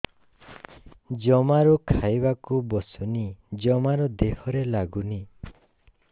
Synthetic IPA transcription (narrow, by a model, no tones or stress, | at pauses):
d͡ʒɔmaɾukʰajbakubɔsunid͡ʒɔmaɾɔd̪ehɔɾelaɡuni